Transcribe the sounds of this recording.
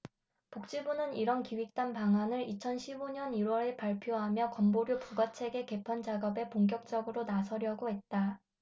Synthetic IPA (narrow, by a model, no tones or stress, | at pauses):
pok̚t͡ɕ͈ibunɯniɾʌnkiwik̚t͈anpaŋɦanɯɾit͡ɕʰʌnɕʰibuɲʌniɾwʌɾepaɭpʰjoɦamjʌkʌmboɾjopuɡat͡ɕʰe̞ɡe̞ke̞pʰand͡ʑaɡʌbe̞poŋɡjʌk̚t͡ɕ͈ʌɡɯɾonasʰʌɾjʌɡoɦe̞t̚t͈a